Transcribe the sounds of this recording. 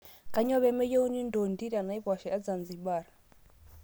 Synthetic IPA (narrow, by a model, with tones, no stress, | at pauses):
ka˨ɲɔ˦βɛ˦mɛ˦jɛ˦u˦ni˦ndɔ˨ndi˦ɾa˨na˨i˦pa˨ʃɛ˨a˦d͡za˨nd͡zi˨ɓaː˨ɾa˨